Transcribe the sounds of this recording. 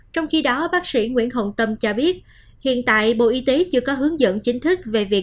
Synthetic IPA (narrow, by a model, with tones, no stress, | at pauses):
t͡ɕɔ˧wŋ͡mxi˧ɗɔ˨˦ɓaː˦˥k̚sḭ˧˩ŋwḭ˧˥ənɦə̰˧˨wŋ͡mt̪ə˧mt͡ɕɔ˧ɓi˦˥ət̚ | hḭ˧˨ənt̪a̰ː˧˨jɓo̰˧˨ʔi˧t̪e˨˦t͡ɕɨ˧əkɔ˨˦ɦɨ˨˦əŋzə̰˧˨nt͡ɕï˨˦ŋ̟t̪ʰɨ˦˥k̚ve˨˩vi˨˩ək̚